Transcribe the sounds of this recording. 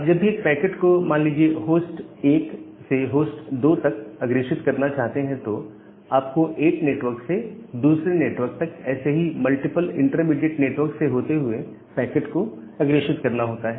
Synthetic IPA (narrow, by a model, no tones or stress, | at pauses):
ɐbd͡ʒɐbʱikpɛːkeʈkomãːnliːd͡ʒieɦoːsʈeːk | seɦoːsʈd̪oːt̪ɐkɐɡɾeːʃɪt̪kɐɾnat͡ʃaːɦt̪eɦɛ̃t̪o | aːp̚koʔeːkneːʈʋəɾksed̪uːsɾeneːʈʋəɾk̚t̪ɐkɛ̰ːseɦimɐlʈɪpəlɪ̰̃ɳʈɾəmɪɖeʈneːʈʋəɾkseɦoːt̪eɦʊe | pɛːkeʈko | ɐɡɾeːʃɪt̪kɐɾnaɦoːt̪aɦɛː